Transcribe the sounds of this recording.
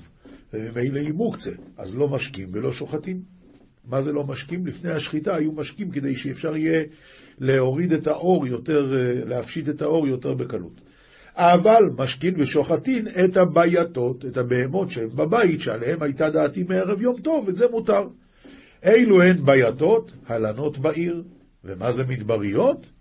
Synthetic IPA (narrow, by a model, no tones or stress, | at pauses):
vemimejleimukt͡sea̰zlo̞maʃkimvelo̞ʃoχatimː | aze̞lo̞maʃkimlifne̞jhaʃχitaːjumaʃkimke̞d̪e̞jʃeːfʃaʁije̞ | leo̞ʁid̪e̞taʔo̞ʁjo̞te̞ʁlehafʃit̪e̞t̪ao̞ʁjo̞te̞ʁbe̞kalṵt | ʔavalmaʃkinbeʃoχatine̞thabajato̞te̞thabe̞emo̞tʃehembabaitʃea̰le̞he̞mhajtad̪aːtimeeʁe̞vjo̞mto̞veze̞mutaʁ | ʔe̞jluhe̞nbajato̞thalano̞tbaʔiʁ | vemaze̞mit̪baʁijo̞t